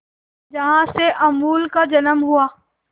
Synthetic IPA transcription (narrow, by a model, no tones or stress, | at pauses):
d͡ʒɐɦãseʔɐmuːlkad͡ʒɐnəmɦuaː